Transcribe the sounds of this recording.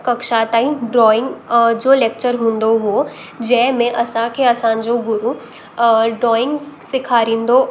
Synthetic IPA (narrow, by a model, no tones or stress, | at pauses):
kɐkʃaːt̪aːiɖɾɔːɪ̃ŋɡd͡ʒoːleːk̚t͡ʃəɾɦũːnd̪oɦo | d͡ʒɛɦmẽʔɐsãkʰeɐsãd͡ʒoɡʊɾu | ɖɾɔːɪ̃ŋɡsɪkʰaːɾĩːnd̪o